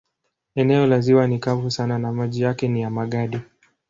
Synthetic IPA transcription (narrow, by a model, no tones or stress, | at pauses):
ɛnɛɔlaziwanikavusananamaʄijakɛnijamaɠaɗi